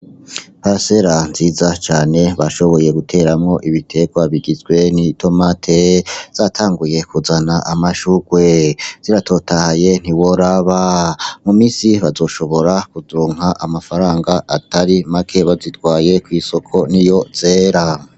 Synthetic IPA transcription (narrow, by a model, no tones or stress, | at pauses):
pase̞ɾanziːzat͡ʃaːne̞βaʃo̞βo̞je̞ɡutʰe̞ːɾamŋo̞ʔiβitʰe̞ɡwaβiɡizɡwe̞nitʰo̞matʰez̥aːtʰaːŋɡuje̞kʰuzanaʔamaʃuɡwe̞z̥iɾatʰo̞tʰahaje̞n̥iwoɾaβamumiːsiβazo̞ːʃo̞βo̞ɾakuzɾuːŋ̥aʔamafaɾaːŋɡaʔataɾimakʰe̞βazitɡwaːje̞kwiːso̞kʰo̞nijo̞z̥e̞ːɾa